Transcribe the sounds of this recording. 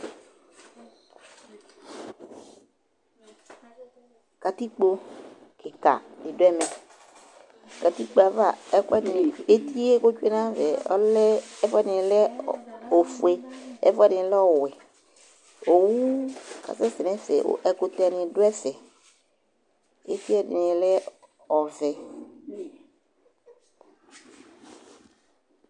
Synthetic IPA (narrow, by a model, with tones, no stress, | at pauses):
ka˨ti˦k͡po˨kɪ˨ka̰˨dɪ˨dʊ˦ɛ˦mɛ̃˨ | ka˨ti˦k͡po˨a˨va˨ɛ˦kɛ˦n˨e˦ti˦e˦ko˦t͡ʃu˦e˦nã˦vɛ˨ɔ̰˦lɛ˦ɛ˦fɛ˦nɪ̃˨lɛ˦o˨fu˨e˦ɛ̰˦fɛ˦dɪ̃˨˦lɛ˦ɔ˦˨wɛ˨ | o˨wu˦ka̰˨sɛ˦sɪ˨nɛ̃˦sɛ̰˨ʔɛ˨ko˨tɛ˨nɪ̃˨do˦ɛ˦sɛ˨ | e˦ti˦ɛ˦dɪ̰˨nɪ̃˨lɛ˦ | ɔ˨vɛ˨